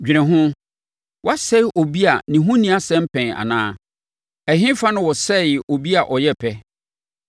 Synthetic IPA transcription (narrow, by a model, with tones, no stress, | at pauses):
d͡ʑᶣi˨ɾɪ̃˨ɦʊ̃˦ | wa˦sɛ˦˨ʔo˨bi˦a˨nɪ̃˨ɦʊ̃˦nĩ˨a˦sɛ̃˦m̩˦pʰɛ̃˨ŋa̰˨nã̰ː˦ | æ˨ɦɪ̃˦fa˦nʊ̃˦wɔ˨sɛ˦˨o˨bi˦a˨ʔɔ˨jɛ˦pʰɛ˦